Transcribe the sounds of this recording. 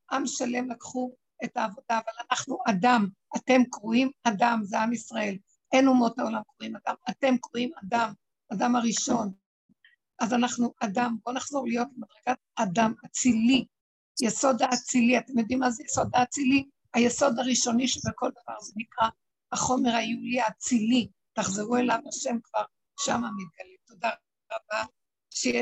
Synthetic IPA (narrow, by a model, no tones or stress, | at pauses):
ʔamʃale̞mlakχu | e̞taːvo̞daːvalanaχnuʔadam | ate̞mkʁuimadamzeamisʁae̞l | ʔenumo̞thao̞lamkʁuimadamate̞mkʁuimadam | adamaʁiʃo̞n | ʔazanaχnuʔadambo̞naχz̥o̞ʁlijo̞t̪lemad̪ʁeɡat̚adamat͡sili | jeso̞daːt͡siliatemjo̞d̪imːazejeso̞d̪aːt͡sili | ajeso̞d̪aʁiʃo̞niʃebekoldavaʁzenikʁa | aχo̞me̞ʁhaiuliat͡sili | taχzeʁue̞lavaʃe̞mkv̥aʁ | ʃamamit̪̚ɡalimto̞da | ʁaba | ʃe